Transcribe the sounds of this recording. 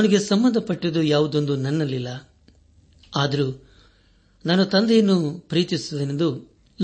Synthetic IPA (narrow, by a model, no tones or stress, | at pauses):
niɡesɐmːɐnd̪ʱɐpɐʈːid̪ujaːʋud̪o̞nd̪unɐnːɐlːilːɐ | aːd̪ɐɾu | naːnut̪ɐnd̪ejɐnːupɾiːt̪isud̪ɐnend̪u | l